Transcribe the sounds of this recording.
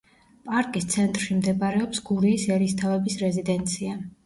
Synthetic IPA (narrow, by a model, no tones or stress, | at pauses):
pʼaɾkʼist̪sʰɛnt̪ʼɾʃimd̪ɛbaɾɛɔpsɡuɾiːsɛɾist̪ʰavɛbisɾɛzid̪ɛnt̪sʰia